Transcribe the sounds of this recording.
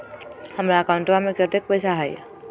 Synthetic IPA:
həmɾakaʊ̃ɳʈbamẽkɾət̪ek̚pəɪsʰaɦɛj

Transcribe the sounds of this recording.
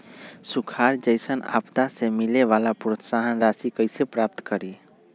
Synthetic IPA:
sʊkʰaːɾd͡ʒəɪsəna̰ːpt̪asemɪleʋaːlapɾot̪saɦənɾaːsikəɪsepɾaːp̚t̪kəɾiː

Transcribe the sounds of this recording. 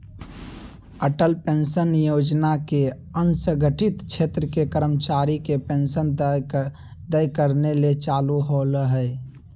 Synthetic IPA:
əʈəlpensənjod͡ʒnake | ənsə̃ɡʱəʈɪt̪t͡ʃʰet̪ɾəkekəɾəmt͡ʃaɾikepensən | d̪əjkəɾnelet͡ʃaluɦoləɦəj

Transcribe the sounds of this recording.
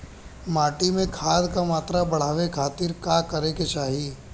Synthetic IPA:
maːʈimẽkʰaːd̪kamaːt̪ɾabɐɽ̤aːʋekʰaːt̪iːɾkaːkɐɾeket͡ʃaːɦi

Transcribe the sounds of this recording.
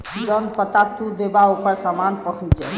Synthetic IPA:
d͡ʒənpət̪at̪ud̪ebaupəɾsamanpəkʰũnt͡ʃɛ

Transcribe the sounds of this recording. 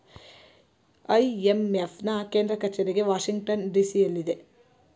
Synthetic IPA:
ɐjemefnɐke̞ːnd̪ɾɐkɐɾt͡ʃeɾiɡe̞ʋaːʂiŋɡʈɐnɖiːsijɐlːid̪e̞

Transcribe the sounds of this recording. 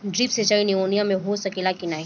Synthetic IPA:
ɖɾiːpset͡ʃainioːnijãmẽɦosɐkeːlakinaːe

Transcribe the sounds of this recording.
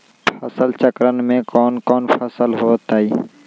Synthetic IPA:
pʰəsəlt͡ʃəkɾənmẽkɔːnkɔːnpʰəsəlɦoːt̪aːiː

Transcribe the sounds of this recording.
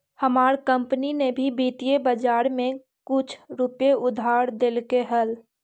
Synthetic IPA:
həmaːɾkə̃mpninebʱibiːt̪ijebəd͡ʒaːɾmẽ | kʊt͡ʃʰɾʊpjeʔʊd̪ʱaːɾd̪elkeɦəl

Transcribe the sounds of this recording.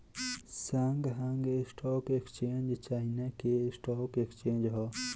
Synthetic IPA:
saŋɡɦaŋɡesʈʰoːkekt͡ʃeːnd͡ʒt͡ʃaːinakesʈoːkekt͡ʃeːnd͡ʒɦo

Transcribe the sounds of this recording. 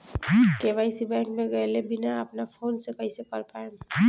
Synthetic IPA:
kebaɪsibɛŋkmeɡəjlebinaəpnapʰonsekəɪsekəɾpaem

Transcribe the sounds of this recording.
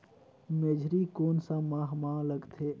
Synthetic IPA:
med͡ʒʱɾikoːnsãmaːɦmãləɡt̪ʰe

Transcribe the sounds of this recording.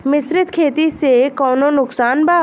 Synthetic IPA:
mɪsɾɪt̪kʰeːt̪isekɔːnõnʊksaːnbaː

